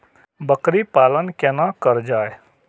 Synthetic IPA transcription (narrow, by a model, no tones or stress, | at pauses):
bəkɾipaːlənkɛnakɐɾd͡ʒaːe